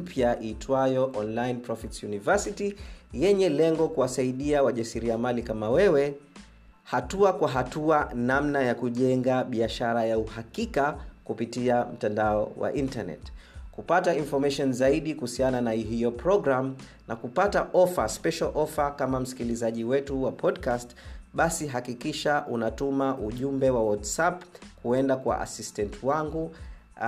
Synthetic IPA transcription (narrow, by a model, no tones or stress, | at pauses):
pjaʔitʰwajɔʔɔnlajnpɾɔfitsjunivɛsitijɛɲɛlɛŋɡɔkuwasaiɗiawaʄasiɾiamalikamawɛwɛ | hatuakwaɦatuanamnajakuʄɛŋɡaɓiaʃaɾajauhakikakupitiam̩tandaɔwa̰ʔintanɛ̰tkupatainfɔɾmaʃɔnzaiɗikuhusiananaɦijɔpɾɔɡɾam | nakupataʔɔfaspɛʃalʔɔfakamam̩si̥kilizaʄiwɛtuwapʰɔdkastɓasiɦakikiʃaʔunatumaʔuʄumbɛwawatsapkuɛndakwa̰ʔa̰sistɛntʰwaŋɡu